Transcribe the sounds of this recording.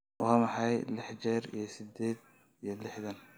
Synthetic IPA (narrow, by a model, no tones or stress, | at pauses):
wɑːmɑħɑjlɪħd͡ʒɛːɾḭjɞsɪd̪ɛːd̪̚ | ijɞlɪħðɐn